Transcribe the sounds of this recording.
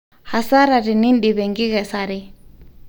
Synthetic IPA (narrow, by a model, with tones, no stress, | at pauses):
ha˨sa˦ɾa˨ɾi˨ni˦nɗi˨βɛ˨ŋɡi˦ɣɛ˨sa˨ɾi˦